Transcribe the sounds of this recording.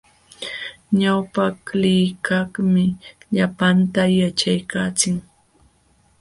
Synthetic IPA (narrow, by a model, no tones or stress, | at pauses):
ɲawpaklɪjkahmɪʎapant̪ajat͡ʃajkaːt͡sɪŋ